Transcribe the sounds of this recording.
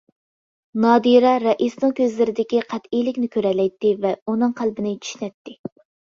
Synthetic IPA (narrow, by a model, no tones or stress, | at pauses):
nɑːd̪iɾɑɾɛʔisnɨŋkʲʰøzlɪɾɪd̪ɪkʲiqʰæt̪ijlɪkʲnɪkʲʰøɾɛlɛjt̪ːɪvɛunɨŋqʰælbɪnɪt͡ʃʰy̥ʃnɛt̪ːɪ